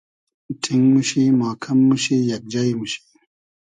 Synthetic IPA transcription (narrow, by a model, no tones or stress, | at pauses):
ʈʰiŋɡmuɕimaːkʰɐmːuɕijɐk̚d͡ʑajmuɕi̥